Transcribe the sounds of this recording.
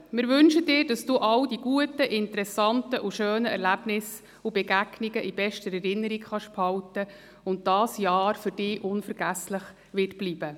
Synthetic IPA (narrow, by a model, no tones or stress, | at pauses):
mɪːɾʋʏnʃəd̥ɪːɾd̥ɑsd̥uːʔɑwdiɡ̥uətəʔɪntəɾɛsɑntəʔuʃøːnəɛ̰ɾlæbnɪs | ubɛɡæɡ̥niɡəʔib̥ɛʃtəɾɛɾɪnːəɾikχɑʃphɑwtə | ʊntd̥ɑːsjɑːɾfʏɾd̥ɪːʔʊnfəɾɡ̥æsləχ | ʋɪt̚b̥liːb̥ə